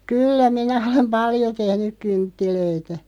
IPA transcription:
kyːlːæ minæ olem pɑljo tehnyk̆ kyntːiløitæ

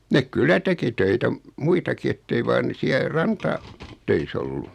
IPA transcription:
nek kylˑæ teki tøitæ m muitɑki etːei ʋɑːn ne siæ rɑntɑ tøis olːu

